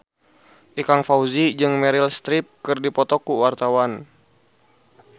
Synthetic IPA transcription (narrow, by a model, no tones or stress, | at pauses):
ʔikaŋfauzid͡ʒɨŋmɛɾilst̪ɾip̚kɨrdipɔt̪ɔkuwart̪awan